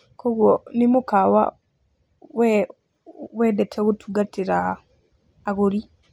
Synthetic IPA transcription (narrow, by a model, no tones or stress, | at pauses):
koɣwonimukawa̰ | w | wedetʰeɣutʰuɡatiɾaː | ɣuɾi